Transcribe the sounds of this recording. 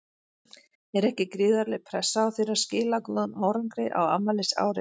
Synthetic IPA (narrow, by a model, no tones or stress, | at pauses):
ɛɾɛhcɪkɾɪːðaɾlɛɣpʰɾɛsːaːwθɪɾḁscɪːlaklɔðʏnaːwɾaŋkɾɪʔa̰wa̰mːalɪsa̰ːwɾɪ̰